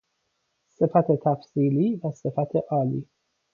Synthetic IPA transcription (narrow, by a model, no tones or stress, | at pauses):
se̞fæt̪ʰet̪ʰæfsiːliːvæse̞fæt̪ʰe̞ʔɒːliː